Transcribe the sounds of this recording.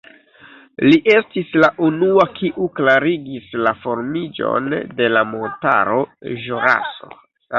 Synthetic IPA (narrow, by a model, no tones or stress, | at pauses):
liʔe̞stislaʔunuakʰiʔuklaɾiɡislafo̞ɾmid͡ʒo̞̰nde̞lamo̞nta̰ɾo̞ʒoɾa̰so̞̰